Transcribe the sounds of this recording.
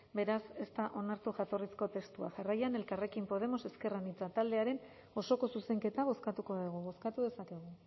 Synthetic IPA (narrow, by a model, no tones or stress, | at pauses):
be̞ɾase̞st̪aʔo̞naɾt̪uʝat̪o̞risko̞t̪e̞st̪ua̰ʝarajane̞lkare̞kimpo̞ð̞e̞mo̞se̞ske̞ranit͡sat̪ald̪e̞aɾe̞n | o̞so̞ko̞suse̞ŋke̞t̪aβ̞o̞skat̪uko̞ðeɣ̞uβo̞skat̪uðe̞sake̞ɣ̞u